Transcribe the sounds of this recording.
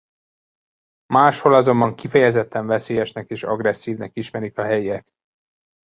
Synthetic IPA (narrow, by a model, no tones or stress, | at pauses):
maːʃho̞lɒzo̞mbɒŋkifɛjɛzɛt̪ːɛɱvɛseːjɛʃnɛkeːʃɒ̰ɡrɛsːiːvnɛkiʃmɛɾikɒɦɛjiɛk